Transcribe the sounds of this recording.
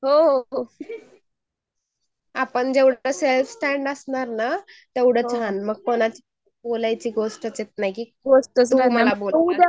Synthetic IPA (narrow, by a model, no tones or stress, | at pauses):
ɦoɦ | apəɳd͡ʑeʋɽəselfsʈæɳɖəsɳaɾna | t̪eʋɽət͡sanməɡ̚konat͡ɕi | bolajt͡ɕiːɡosʈət͡sjet̪̚najkiːɡosʈəsməlabol